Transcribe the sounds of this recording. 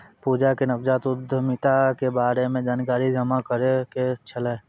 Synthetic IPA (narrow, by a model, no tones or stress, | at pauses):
puːd͡ʒakenɐpd͡ʒaːt̪ʊd̪ʱəmɪt̪akebaːɾemẽd͡ʒaːnkaːɾid͡ʒɐmakəɾeket͡ʃʰəle